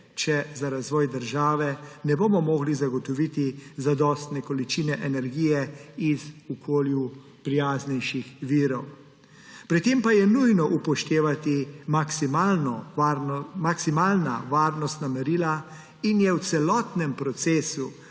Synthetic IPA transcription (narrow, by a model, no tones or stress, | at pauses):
t͡ʃɛzaɾazʋɔːjd̪əɾʒaːʋɛnɛboːmɔmɔːɡlizaɡɔt̪ɔʋit̪izad̪ɔːst̪nɛkɔlit͡ʃinɛʔɛnɛɾɡiːjɛizɔkʰoːlju | pɾijaːznɛjʃixʋiːɾɔw | pɾit̪empajɛnujnɔʔupɔʃt̪eːʋat̪imasimalnɔ | maksimaːlna̰ʋaːɾnɔst̪namɛɾiːla | injɛw̪sɛlɔːt̪nɛmpɾɔt̪seːsu